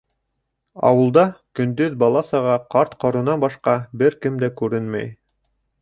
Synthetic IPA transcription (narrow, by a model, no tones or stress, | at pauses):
ɑ̰wɤ̆lˠd̪ɑkɵ̆nd̪ɵðbɑlˠɑsɑʁɑqɑɾt̪qɑɾɤ̆nɑnbɑʃqɑbɘɾkɘmd̪ækʉɾɘnmæ̰j